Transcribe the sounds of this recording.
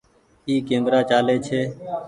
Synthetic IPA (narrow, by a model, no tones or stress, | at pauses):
iːkẽːmɡɾaːt͡ʃaːleːt͡ʃʰeː